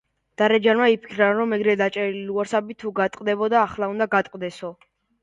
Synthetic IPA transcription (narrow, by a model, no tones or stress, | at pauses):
d̪̥aɾɛd͡ʒanmaipʰi̥kʰɾanɾɔmɛɡɾɛd̪at͡ʃʼɛɾiluɔɾsabit̪ʰuɡat̪ʼqʼd̪ɛbɔd̪aːχlˠaund̪aɡat̪ʼqʼd̪ɛsɔ